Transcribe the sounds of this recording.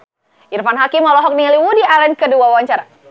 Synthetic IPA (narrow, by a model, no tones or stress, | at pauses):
irfanɦakimɔlɔɦɔk̚niliwudialɛnkəduawaɲt͡ʃaɾa